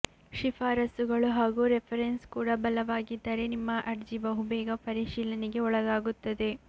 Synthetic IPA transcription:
ʃipʰaːɾɐsuɡɐɭuɦaːɡuːɾepʰɐɾenskuːɽɐbɐlɐʋaːɡid̪ːɐɾe̞nimːɐʔɐɾd͡ʒibɐɦubɛːɡɐpɐɾiʃiːlɐneɡe̞ɔɭɐɡaːɡut̪ːɐd̪e̞

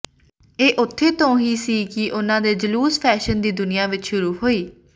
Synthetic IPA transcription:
eːʔʊt̪ʰːeːt̪õːɦiːsiːkɪʔʊnãːd̪eːd͡ʒəluːspʰɛːʃənd̪iːd̪ʊnɪjãːʋɪt͡ʃʃʊɾuːɦoːiː

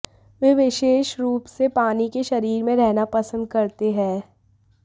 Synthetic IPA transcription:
ʋeːʋɪʃeːʃɾuːpsepaːnikeʃɐɾiːɾmẽɾɛɦnapɐsə̃nd̪kɐɾt̪eɦɛ̃ː

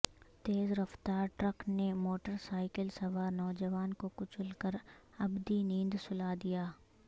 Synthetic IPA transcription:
t̪eːzɾɐft̪aːɾʈɾəknemoːʈəɾsaːɪkəlsɐʋaːnɔːd͡ʒəʋaːnkokʊt͡ʃʊlkəɾ | ɐbd̪inĩːnd̪sʊlaːd̪ijaː

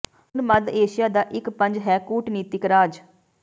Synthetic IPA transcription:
nməd̪eːʃɪjaːd̪aːʔɪkpəɲd͡ʒɦɛːkuːʈniːt̪ɪkɾaːd͡ʒ

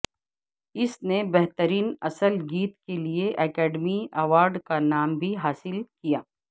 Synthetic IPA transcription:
ɪsnebɛɦt̪əɾiːnɐsəlɡiːt̪kelieʔɛːkɛːɖmiɐʋaːɾɖkanaːmbʱiɦaːsɪlkijaː

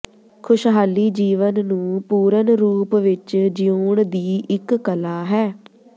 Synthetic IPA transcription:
kʰʊʃɦaːliːd͡ʒiːʋənnũːpuːɾənɾuːpʋɪt͡ʃd͡ʒijuːɳd̪iːʔɪkːəlaːɦɛː

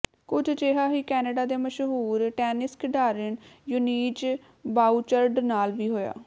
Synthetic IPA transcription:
kʊd͡ʒt͡ʃeːɦaːɦiːkɛːnəɖaːd̪eːməʃɦuːɾʈɛːnɪskɖaːɾɪnjʊniːt͡ʃ | baːut͡ʃəɾɖnaːlʋiːɦoːja̰ː

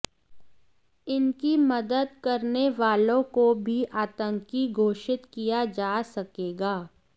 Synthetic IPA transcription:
ɪnkimɐd̪əd̪̚kɐɾneʋaːlõkobʱiʔaːt̪ə̃ŋkiɡʱoːʃɪt̪kijad͡ʒaːsɐkeːɡaː

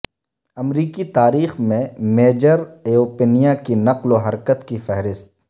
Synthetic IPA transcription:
ɐmɾiːkit̪aːɾiːxmẽmeːd͡ʒəɾeːoːpeːnijakinɐqloɦɐɾkət̪kifɛɦɾɪst̪̚

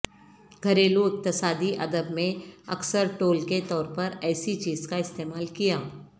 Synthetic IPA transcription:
ɡʱɐɾeːloɪk̚t̪ɪsaːd̪iʔɐd̪əbmẽɐ̰ksəɾʈoːlket̪ɔːɾpɐɾɛːsit͡ʃiːzkaɪst̪eːmaːlkijaː

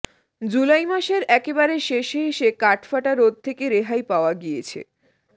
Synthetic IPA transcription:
d͡ʑulajmaʃeɾɛkebaɾeʃeʃɦeʃekaʈfaʈaɾːod̪̚t̪ʰekeɾeɦajpaoaɡijet͡ɕʰḛ

